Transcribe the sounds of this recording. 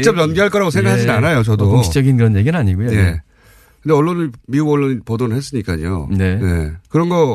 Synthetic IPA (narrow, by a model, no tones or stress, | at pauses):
t͡ɕ͈ʌp̚jʌnɡeɦaɭk͈ʌɾaɡosʰeŋɡakʰaad͡ʑinanajot͡ɕʌdootoŋɕʰi̥d͡ʑʌɡinkɯɾʌnje̞ɡinaɲiɡujoee | kɯndeʌɭːonimiuɡʌɭːoɲipodonɯɭhes͈ɯɲik͈a̰ɲḭjo̰ne̞nḛkɯɾʌnɡʌ